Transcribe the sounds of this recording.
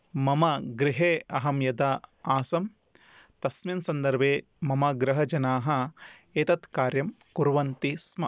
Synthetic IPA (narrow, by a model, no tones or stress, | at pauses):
mɐmɐɡɾɪɦeːɐɦɐmjɐd̪ɐaːsɐm | t̪ɐsminsɐnd̪ɐɾbʱeː | mɐmɐɡɾɐɦɐd͡ʒɐnaːɦɐ̆eːt̪ɐt̪kaːɾjɐmkuɾʋɐnt̪ismɐ